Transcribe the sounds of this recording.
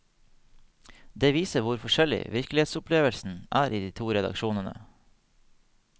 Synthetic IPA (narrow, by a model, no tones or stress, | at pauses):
d̪eːʋiːsəʋʊɾfɔʃɛlɪ̰ʋɪɾklɪeːt̪sʊpʰleːʋəlsn̩ʔæːɾʔiːd̪iːt̪ʰuːɾɛd̪ɑ̰kʃuːnənə̰